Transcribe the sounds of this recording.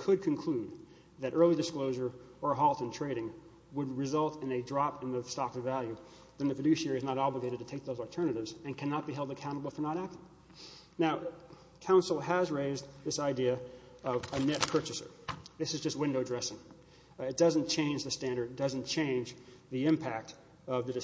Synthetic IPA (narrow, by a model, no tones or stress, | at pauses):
kʰɨd̚kʰɨ̃nkʰl̥ʉd̪̚ | ðɨɾʔɜ˞lˠidɨskloʊʒə˞ə˞ɦɔlˠtɨ̃ntʰɹ̥eɪɾɪ̃ŋ | wəd̚ɹɨzʌlˠtɨ̃nɨdɹɑpɨ̃nðɨstɑkʌvvælˠjʉ | ðɨ̃nðɨfɨdʉʃɛɹiɨznəɾɑbləɡeɪɾɨd̚tʰɨtʰeɪk̚ðoʊzl̩ˠtʰɜ̃˞nɨɾɨvzɨ̃nkʰænət̚b̥iɦɛlˠdɨkʰãʊ̃ɾ̃əbl̩ˠfə˞nəɾæk̚tɪ̃ŋ | naʊ | kʰãʊ̃nsl̩ˠəzɹeɪzðɪsaɪdiɨ | ʌvənɛt̚pʰɜ˞t͡ʃɨsə̰˞ðɪsɨzd͡ʒʌst̚wɪ̃ndoʊdɹɛsɪ̃ŋ | ɨt̚d̥ʌz̃nt͡ʃʰẽɪ̃nd͡ʒðɨstæ̃ndə˞dɨt̚d̥ʌz̃n̩t͡ʃʰẽɪ̃nd͡ʒðiɪ̃mpʰæk̚t | ʌvðɨdɨ